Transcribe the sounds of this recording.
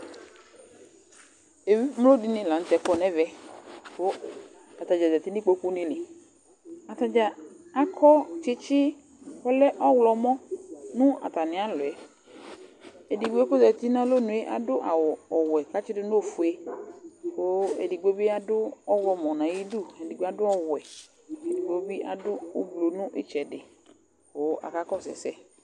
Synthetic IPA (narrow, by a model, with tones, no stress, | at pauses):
e˨wi˦m˦lo˦di˨nɪ̃˨la˨n̩˦t̪ɛ˨kɔ˦nɛ̃˦vɛ˦ko˦ | a˨t̪a˨d͡ʒa˨za˨t̪i˦nɪ̃˦k͡po˦ku˦nɪ̃˦lɪ˨ | a˨t̪a˨d͡ʒa˨a˦kʰɔ˦t͡ʃɪ˦t͡ʃɪ˦ | kɔ˦lɛ˦ʔɔ˦wlɔ˨mɔ̃˦nũ˦a̰˨t̪a˨nɪ̃˨a˦lʊ˨ɛ˨ | e˨di˨ɡ͡bo˦e˦ko˦zɛ˨t̪i˦nã˦lo˦nʊ̃˨e˦ʔa̰˨dʊ˦ʔa˨wɔ˨ɔ˨wɛ˨ka˦t͡ʃɪ˦dɪ˦n˦o˨fʊ˨e˦ | ko˦ḛ˨di˨ɡ͡bo˦bi˦a˦dʊ˦ɔ˦wlɔ˨mɔ̃˨nã˨ji˦du˦˨ɛ˨di˨ɡ͡be˦a˦dʊ˦ɔ˦wɛ˨ | e˨di˨ɡ͡bo˦bi˦ʔa̰˨dʊ˦o˦blo˨nũ˦ʔɪ̰˦t͡ʃɛ˨dɪ˨ | ko˦ʔa̰˨ka˦kɔ˦˨sɛ̰˨sɛ˦